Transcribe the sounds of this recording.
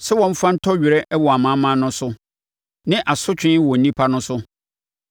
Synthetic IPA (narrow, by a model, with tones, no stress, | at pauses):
sɛ˦wɔ̃˦m̩˦fã˦n̩˦tʰɔ˦ɥɪ˨ɾɛ˦ʔɛ˦wɔ˨a˨mã˦mã˦nʊ̃˦sʊ˦ | nɪ̃˦ʔa˨sʊ˦t͡ɕᶣɪ̃˦n˦wɔ˨n̩˦nĩ˦pʰa˦nʊ̃˦sʊ˦